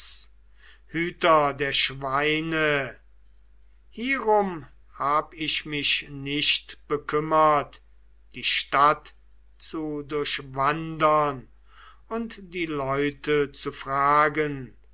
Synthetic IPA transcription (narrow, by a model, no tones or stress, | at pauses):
hyːtɐdeːɐʃvaɪnə | hiːəʁʊm | haːbəɪʃmɪʃnɪʃtb̥əkʰʏmɐt | d̥iːʃtat | t͡sudʊɐʃvandɐn | ʊntd̥iːlɔʏtʰət͡sufʁaːɡən